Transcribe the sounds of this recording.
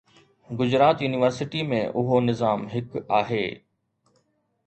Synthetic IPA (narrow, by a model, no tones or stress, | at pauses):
ɡʊd͡ʑɾaːt̪juːnɪʋəɾsɪʈimḛ̃ʔʊɦonɪzaːmɦɪkaːɦeː